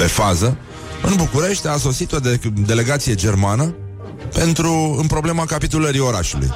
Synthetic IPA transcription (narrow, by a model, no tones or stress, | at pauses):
pe̞fazə | ɨnbukuɾe̞ʃt̪ʲas̬o̞sit̪od̪ed̪e̞le̞ɡat̪sije̞d͡ʒe̞rmanə | pe̞nt̪ɾuɨnpɾo̞ble̞makapit̪uləɾio̞ɾa̰ʃulṵj